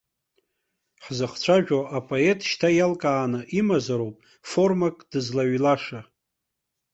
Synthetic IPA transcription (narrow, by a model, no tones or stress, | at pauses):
ħzaχt͡ɕʷʰaʒᶣoʔapʼoe̞tʼʃtʰajalkʼaːnɨʔimazaɾowpʼ | fo̞rmakʼd̥ɨzlaɥlaʂa